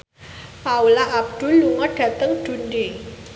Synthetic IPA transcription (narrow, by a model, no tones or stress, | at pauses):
paulaʔab̚ɖ̥ṳlːuŋɔɖ̥ä̤t̪əŋd̥ṳnde